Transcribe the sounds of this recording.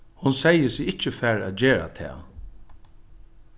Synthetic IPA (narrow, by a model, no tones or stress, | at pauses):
hʊnsɛjəsɪɪt͡ʃːəfæɹæ̰t̪̚d͡ʒeːɹa̰t̪ʰɛ̰ː